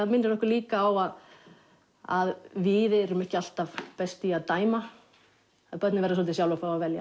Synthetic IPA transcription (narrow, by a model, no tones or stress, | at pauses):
aðmɪnːɾɪɾnɔhkʏɾliːkaːwað | a̰ðvɪðɛɛɾʏmɛhcɪal̥t̪av̥pɛst̪ɪaðt̪aːjma | aðpœt̪nɪvɛɾðɪs̬ɔlt̪ɪs̬awlafawavɛlja̰